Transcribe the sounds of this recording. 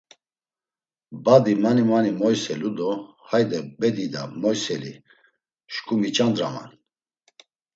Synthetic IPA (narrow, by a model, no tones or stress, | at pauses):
bad̪imanimanimɔjsɛlud̪ɔ | hajd̪ɛbɛd̪id̪amɔjsɛlḭ | ʃkʼumit͡ʃʼand̪ɾama̰n